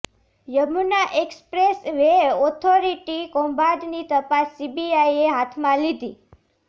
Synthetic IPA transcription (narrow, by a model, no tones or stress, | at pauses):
jəmunaʔekspɾesʋeɔt̪ʰoɾiʈikɔmbaɖnit̪əpasːibiaieɦat̪ʰmãlid̪i